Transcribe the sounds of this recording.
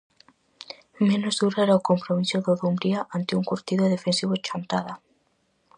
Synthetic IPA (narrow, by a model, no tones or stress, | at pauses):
mẽnozðuɾaeɾaokompɾomisoðoðumbɾiaʔant̪ɪuŋkuɾt̪iðoðefensiβot͡ʃant̪aða